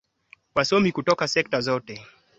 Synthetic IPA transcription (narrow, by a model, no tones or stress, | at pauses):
wasɔmikutɔkasɛk̚tazɔtɛ